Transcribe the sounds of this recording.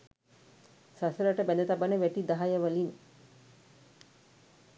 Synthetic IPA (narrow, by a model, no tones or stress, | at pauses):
sasələʈəbæd̪ət̪abaneʋæʈid̪aɦajəʋɐlin